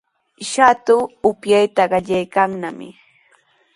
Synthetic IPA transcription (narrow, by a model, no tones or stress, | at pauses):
ʃat̪ʊʊpjajt̪aɢɑʎajkaŋnamɪ̰